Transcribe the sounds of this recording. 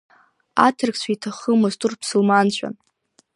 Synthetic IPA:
a̰tʰɨrkt͡ɕʷʰaitʰaχəmʊztʼurpʰsulmant͡ɕʷʰᶣa̰n

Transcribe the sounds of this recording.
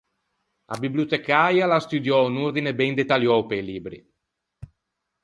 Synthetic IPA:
a̰bibliut̪ekajalast̪ud̪jɔunuɾd̪inebɛnd̪et̪aljɔwpeliːbɾḭ

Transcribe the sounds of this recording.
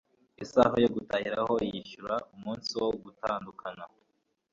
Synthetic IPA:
isa̰ɦojoɡutahiɾaho̞ijiʃuɾaumuːnsiwoɡutaːndukʰana

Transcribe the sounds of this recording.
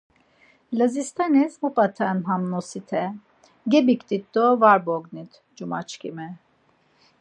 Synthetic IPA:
lazist̪ʰanɛzmupʼat̪ʰanɦamnosit̪ʰɛ | ɡɛbikt̪it̪ːovaɾboɡnit̪ | d͡ʒumat͡ʃkʲʰḭmɛ

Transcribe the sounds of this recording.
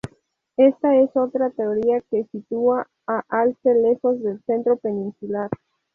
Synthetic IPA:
e̞st̪ae̞so̞t̪ɾat̪e̞oɾiake̞sit̪ua | aʔalsele̞xo̞zðelse̞nt̪ɾo̞penĩnsulaɾ

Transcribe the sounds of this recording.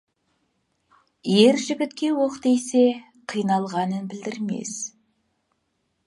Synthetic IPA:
jeɾʒɪbʲɪt̪kʲe̞woqt̪ejse̞ | qʰijnɑlˠʁɑnənbɪld̪ɪɾmḛs

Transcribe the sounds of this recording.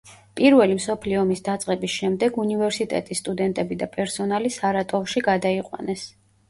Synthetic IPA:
pʼiɾvɛlimsɔpʰliɔmisd̪at̪sʼqʼɛbisʃɛmd̪ɛɡunivɛɾsit̪ʼɛ̰t̪ʼisːt̪ʼud̪ɛnt̪ʼɛbid̪apʼɛɾsɔnalisaɾat̪ʼɔvʃiɡad̪aiqʼwa̰nɛs

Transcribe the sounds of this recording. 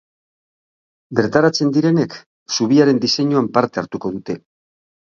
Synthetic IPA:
be̞ɾt̪aɾat͡se̞nd̪iɾe̞ne̞k | suβ̞iaɾe̞nd̪ise̞ɲuampaɾt̪e̞aɾt̪uko̞ðut̪e̞

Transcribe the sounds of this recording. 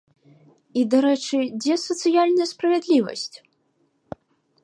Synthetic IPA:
id̪aɾɛt͡ʂɨd͡zʲɛsɐt̪sɨjalʲnɐjɐspɾɐvʲɛd̪lʲivɐ̰sʲt͡sʲ

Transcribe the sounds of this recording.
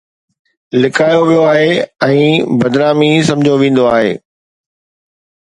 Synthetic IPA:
lɪkʰaːjoʋijoaːɦeɛ̃ːbɐd̪naːmisɐ̃md͡ʑʱoʋẽːn̆d̪oaːɦḛː

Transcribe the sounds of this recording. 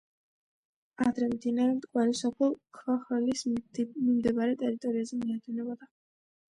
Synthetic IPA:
ad̪ɾɛmd̪inaɾɛmt̪ʼkʼwaɾisɔpʰɛlˠkʰvaχɛlismimd̪ɛbaɾɛt̪ʼɛɾit̪ʼɔɾiazɛmiad̪ɛnɛbɔd̪a

